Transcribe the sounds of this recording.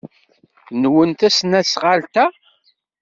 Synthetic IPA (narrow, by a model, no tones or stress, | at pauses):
nwənt̪æsnæsʁalt̪æ